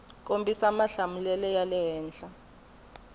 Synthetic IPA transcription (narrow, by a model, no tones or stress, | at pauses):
kʼombʱʼisamaɬamulɛlɛjalɛɦɛːnd͡ɮʼa